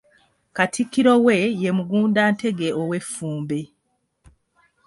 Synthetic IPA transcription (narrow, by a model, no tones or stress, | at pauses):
katʰikːiɾo̞we̞je̞muɡuːndaːntʰe̞ɡe̞owe̞fːuːmbe